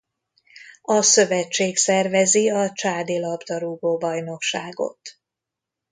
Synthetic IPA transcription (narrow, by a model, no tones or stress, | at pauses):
ɒsø̞vɛt͡ʃːeːksɛrvɛziɒt͡ʃaːd̪eːlɒbd̪ɒɾuːɡoːbɒjno̞kʃaːɡo̞̰t̪